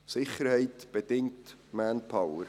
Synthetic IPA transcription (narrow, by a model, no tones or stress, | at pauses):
sɪχəɾhɛɪtb̥ədɪŋtmænpʰawər